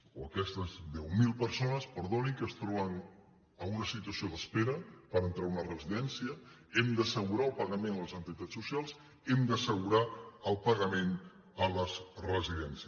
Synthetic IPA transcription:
oəkɛst̪əzðɛwmilˠpəɾsonəspəɾðoniŋkəst̪ɾɔβəŋ | əunəsit̪uəsioðəspeɾəpəɾənt̪ɾaunərəziðɛnsiə | ɛmd̪əsəɣuɾaəlˠpəɣəmẽnləzənt̪it̪asːusialˠz | ɛmd̪əsəɣuɾaəlˠpəɣəmen | ələzrəziðɛnsiə

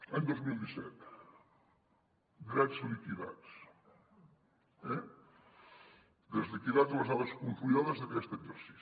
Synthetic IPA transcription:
aɲd̪ozmilˠd̪isɛt̪ | ɡ̪ɾazlikiða̰t͡s | ɛ | d̪ezlikiðad͡zələzaβəskuɱfuiɔðəzðəkɛst̪əɡzəɾsi̥s

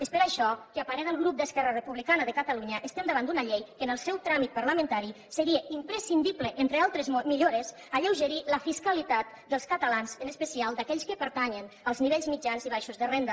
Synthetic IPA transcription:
espəɾaʃɔkeapaɾɛðəlˠɣɾup̚d̪əskɛrərəpuβlikanəðəkət̪aluɲəʔəst̪ɛmd̪əβand̪unəʎejkənəlˠsɛwt̪ɾamit̪̚paɾləmə̃nt̪aɾi | səɾieimpɾəsind̪ipləʔent̪ɾealˠt̪ɾəzmiʎoɾəz | aʎəwʒəɾiləfiskalit̪at̪̚ | d̪əlˠskət̪alanzənəspəsialˠd̪akɛʎskəpəɾt̪aɲən | əlˠzniβeʎzmid͡ʒanziβajʃuzðərend̪ə

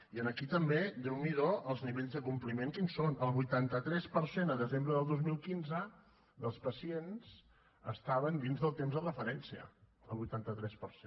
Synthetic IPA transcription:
iənəkit̪əmbed̪ɛwmiðoəlˠzniβeʎzðəkumplimeŋkinsonəlˠβujt̪ant̪ət̪ɾɛspəɾsenəðəzembɾəðəlˠd̪ozmilˠkinzə | d̪əlˠspəsiens | əst̪aβənd̪inzðəlˠt̪emzðərəfəɾɛnsiə̰ | əlˠβujt̪ant̪ət̪ɾɛspəɾse

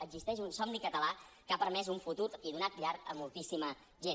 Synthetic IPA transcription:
əɡzist̪ɛʃ̬unsɔmnikət̪əlakapəɾmɛz̬uɱfut̪uɾiðunat̪̚ʎaɾkəmulˠt̪isimə | ʒe

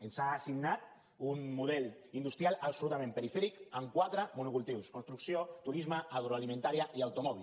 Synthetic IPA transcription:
ensaːsiɡnat̪̚ | unmuð̞ɛl | ind̪ust̪ɾjalaβsolut̪amẽmpeɾifɛɾikaŋkwat̪ɾəmunukulˠt̪iwskonst̪ɾuksiot̪uɾizməaɣ̞ɾoalimẽnt̪aɾiaʔiawt̪umɔβil

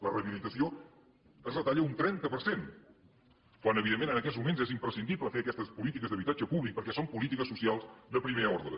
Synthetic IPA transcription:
lərəβilit̪əsio | əzlət̪aʎəunt̪ɾɛnt̪əpəɾsen | kwanəβiðemːenənəkɛtzmumenzɛzimpɾəsind̪ipləfeəkɛst̪əspulit̪ikəzðəβit̪ad͡ʒəpuβlik̚pəɾkɛsompulit̪ikəsːusialˠzd̪əpɾimeɾəɔɾðɾə

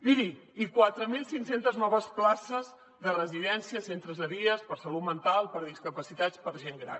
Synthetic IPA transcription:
biðiikwat̪ɾəmilˠsiŋsent̪əznɔβ̞əsplasəz | ðərəziðɛnsiəsent̪ɾəzəβiəspəɾsəlut̪mənt̪alˠpəɾðiskəpəsit̪at͡spəɾʒeŋɡɾa̰n

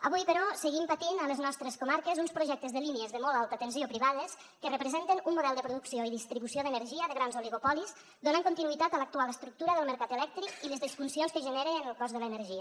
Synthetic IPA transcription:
əβujpəɾɔsəɣimpət̪inələznɔst̪ɾəskumaɾkəzunspɾuʒɛk̚t̪əzðəliniəzðəmɔlalˠt̪ət̪ənsiopɾiβaðəs | kərəpɾəzent̪ənunmuðɛlˠd̪əpɾuðuksioiðist̪ɾiβusioðənəɾʒiəðəɣɾanzoliɣopɔlis | d̪onəŋkunt̪inuit̪at̪ələk̚t̪ualəst̪ɾuk̚t̪uɾəðəlˠməɾkat̪əlɛk̚t̪ɾikiləzðisfunsionskəʒəneɾəːnəlˠkɔzðələnəɾʒiə

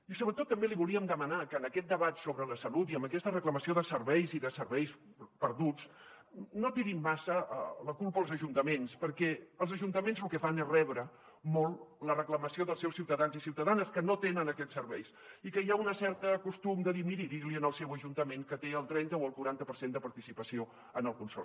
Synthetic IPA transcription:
isoβɾət̪ot̪ːəmbeliβuliəmd̪əmənakəːnəkɛt̪̚d̪əβat̪soβɾələsəlut̪iəmbəkɛst̪ərəkləməsioðəsəɾβɛjziðəsəɾβɛjspəɾðut͡s | not̪iɾimːasəələkulˠpəːlˠzəʒunt̪əmenspəɾkɛəlˠzəʒunt̪əmenzlukɛfanezrɛβɾə | molˠlərəkləməsioðəlˠsɛwsiwt̪əðanzisiwt̪əðanəskənot̪enənəkɛtsːəɾβɛ̰jsikəjaunəsɛɾt̪əkust̪umd̪əðimiɾiɾiɾliənəlˠsɛwəʒunt̪əmeŋkət̪eəlˠt̪ɾɛnt̪əoəlˠkuɾant̪əpəɾsend̪əpɐɾt̪isipəsio | ənəlˠkunsɔɾ

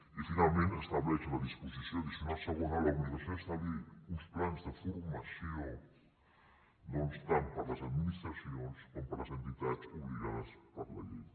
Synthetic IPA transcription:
ifinalmẽnt̪est̪aβleselaðisposisjond̪isinaseɣunalaɣmiðasjonest̪aliusplanzðefoɾmasjoŋ | nõnest̪ampaɾlasaðminist̪ɾasjoneskomopaɾlasent̪it̪aðspuβliɣa̰ðaspaɾla̰ʎḛj

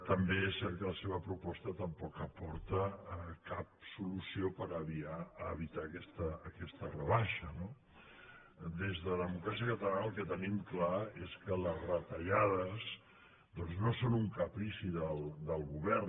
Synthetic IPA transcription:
t̪əmbeɛsːɛɾt̪̚kələseβəpɾupɔst̪ət̪əmpɔkəpɔɾt̪əkap̚sulusiopəɾəβiaːβ̞it̪akɛst̪əːkɛst̪ərəβaʃəno | d̪ezðəlðəmukɾasiəkət̪əlanəlˠkɛt̪ənimklaeskələzrət̪əʎaðəz | ðɔnznosonuŋkapɾisiðəld̪əlˠɣuβɛr

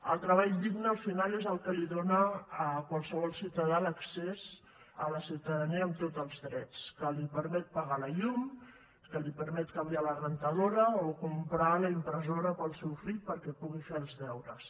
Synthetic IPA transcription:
əlˠt̪ɾəβaʎd̪iɡnəːlfinalezəlˠkəliðonəkwalˠsəβ̞ɔlˠsiwt̪əðaləksez | ələsiwt̪əðəniəːmt̪ot̪əlˠzðɾɛt͡skəlipəɾmɛt̪̚paɣaləʎum | kəlipəɾmɛt̪kambialəɣɾənt̪əðoɾəokumpɾaləimpɾəzoɾəpəlˠsɛwfiʎpəɾkɛpuɣifelzðɛwɾəs

